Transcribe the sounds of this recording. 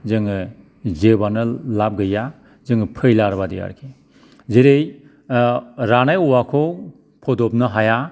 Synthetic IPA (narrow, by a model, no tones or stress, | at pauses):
zɯŋɯ | zebanɯlap̚ɡɯja | zɯŋɯpʰɯjlaɾbadḭja̰ɾkʰe | zeɾej | ɾanajɔwakʰo | pʰɔdɔp̚nɯɦaja